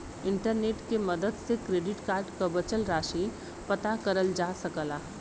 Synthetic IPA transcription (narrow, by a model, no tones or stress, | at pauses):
ɪ̃ɳʈəɾneːʈkeməd̪əd̪sekɾeːɖɪʈkaːɾɖkabət͡ʃəlɾaːʃi | pɐt̪akɐɾəld͡ʒaːsɐəkəlaː